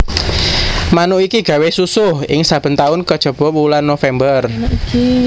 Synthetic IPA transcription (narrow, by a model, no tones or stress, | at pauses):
manʊikiɡ̥ä̤wesusʊhɪ̰ŋsab̥ə̤nt̪aʊnkəd̥ʒ̥ə̤b̥ɔ̤wulanːofɛmbər